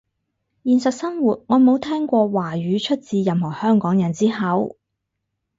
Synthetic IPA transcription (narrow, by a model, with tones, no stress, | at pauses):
jiː˨nsɐ˨t̚sɐ˥nwuː˨t̚ŋɔː˨˧mo˨˧wt̪ʰɛː˥ŋkʷɔː˧waː˨˩ɥyː˨˧t͡ʃʰɵ˥t̚t͡siː˧jɐ˨mhɔː˨˩hœː˥ŋkɔː˨˥ŋjɐ˨nt͡siː˥hɐ˨˥w